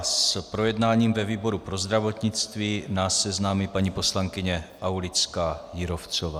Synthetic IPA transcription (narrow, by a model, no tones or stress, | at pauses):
spɾo̞jɛdnaːɲiːmvɛviːbo̞ɾupɾo̞zd̪ɾavo̞t̪ɲɪt͡st̪viːnaːsːɛznaːmipaɲipo̞slaŋkɪɲɛʔawlɪt͡skaːjɪɾoft͡sovaː